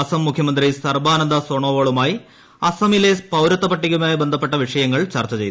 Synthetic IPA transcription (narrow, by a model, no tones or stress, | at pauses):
ɐsɐmːukʰjɐmɐnd̪risɐrbaːnɐnd̪ɐsoːɳoːʋoːɭumaːji | ɐsɐmilepɐwɾɐt̪ːɐpɐʈːiɣumaːjibend̪ʱɐp̬ːe̞ʈːɐʋiʂɐjɐŋːɐɭt͡ɕɐrt͡ɕːɐt͡ɕejt̪u